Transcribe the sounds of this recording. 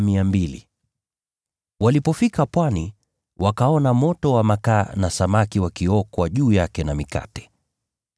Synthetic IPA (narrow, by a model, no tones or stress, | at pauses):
miambilḭ | walipɔfikapwani | wakaɔnamɔtɔwamakaːnasamakiwakiɔkwaʄuːjakɛnamika̰tɛ̥